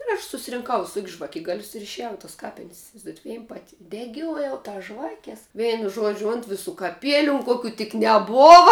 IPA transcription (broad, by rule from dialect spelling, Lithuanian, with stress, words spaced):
ɪr ˈɐʃ sʊsʲɪrʲɪŋˈkɐʊ ʋʲɪˈsoːkʲsʲ ʒʋɐˈkʲɪɡɐlʲʊs ɪr ɪʃʲɛˈjɛʊ ɪ tɐs ˈkɑːpʲɪnʲsʲ ɪsʲɪʋɐɪzˈduɔjɛt ˈʋʲɛɪn ˈpɑːtʲɪ dʲɛˈɡʲoːjɛʊ ˈtɐs ˈʒʋɑːkʲɛs ˈʋʲɛɪnʊ ˈʒuɔd͡ʒʲʊ ˈʊnt ʋʲɪˌsuː kɐˈpʲiɛlʲʊ ʊn ˈkoːkʲʊ tʲɪk nʲɛˈboːʋɐ